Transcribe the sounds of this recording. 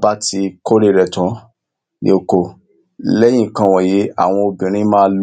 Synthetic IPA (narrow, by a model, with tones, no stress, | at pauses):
ba˦ti˧ko˦ɾe˦˨ɾɛ˨tɔ̃˨˦ | nḭ̃˧˦o˨ko˨ | lɛ˦j̃ĩ˦˨kã˧w̃ɔ̃˨je˨˦a̰˦˨w̃ɔ̃˧o˧bĩ˨ɾ̃ĩ˨˦mãː˦l